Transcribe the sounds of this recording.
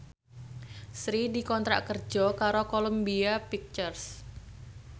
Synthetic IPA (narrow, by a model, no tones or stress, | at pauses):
sɾidikɔnt̪ɾa̰ʔkərd͡ʒɔkaɾokoləmbiapik̚t͡ʃərs